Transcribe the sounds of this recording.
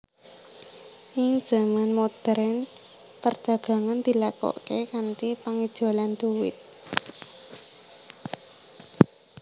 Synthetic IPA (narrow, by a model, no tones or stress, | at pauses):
ʔiŋid̥ʒ̥a̤manmod̪̥ɛɾɛn | pərd̥ʒ̥a̤ɡ̥ä̤ŋand̪̥i̤lakɔ̰ʔkekantipaŋid̥ʒ̥o̤land̪uwɪ̰t̪̚